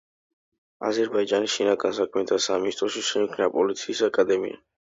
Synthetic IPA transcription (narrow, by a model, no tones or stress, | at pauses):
a̰zɛɾbaid͡ʒanisʃinaɡansakʰmɛt̪ʰasaminst̪ʼɾɔʃiʃɛkʰnapʼɔlit̪sʰiːsakʼad̪ɛmḭa̰